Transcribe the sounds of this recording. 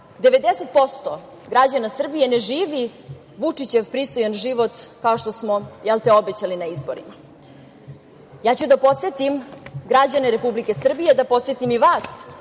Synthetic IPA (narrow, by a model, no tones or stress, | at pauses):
d̪e̞ʋe̞d̪ese̞t̪̚po̞st̪o | ɡɾad͡ʑanasr̩bije̞ne̞ʒiːʋi | ʋut͡ʂit͡ɕe̞ʋpɾist̪o̞janʒiʋot̪kaoʃt̪o̞smojɛlt̪eo̞bet͡ɕalinaizboɾḭma | jaːt͡ɕud̪apo̞t̪set̪imɡɾad͡ʑaneɾe̞publike̞sr̩bije̞d̪apo̞t̪sjet̪imiʋaːs